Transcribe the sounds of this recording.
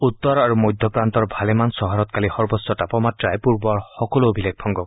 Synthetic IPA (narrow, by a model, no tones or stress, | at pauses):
ut̪ːɔɾaɾumojd̪ʱjɔkɾant̪ɔɾbʱalemansɔɦɔɾɔt̪̚kalihɔɾbɔsɔʈapɔmat̪ɾaepuɾbɔhɔkɔloobʱilek̚ʰpʰɔŋɡɔ